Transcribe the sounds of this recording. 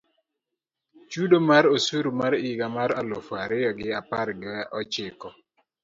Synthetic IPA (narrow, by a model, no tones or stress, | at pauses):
t͡ʃudomaɾosuɾumaɾiɡamaɾalofaɾɪjɔɡɪapaɾɡɪɔt͡ʃɪkɔ